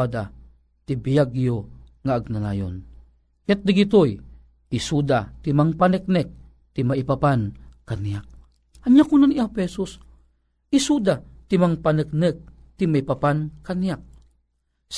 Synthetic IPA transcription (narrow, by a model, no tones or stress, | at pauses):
ad̪a | t̪ibijaɡijo | ŋaːɡ̚nana̰jo̰n | kɛt̪̚d̪iɡit̪oj | isud̪at̪imaŋpanɛk̚nɛk̚ | t̪imaipapankanijak̚ | aɲjakunaniapɛsos | isud̪at̪imaŋpanɨk̚nɨk̚ | t̪imaipapankanijak̚ | s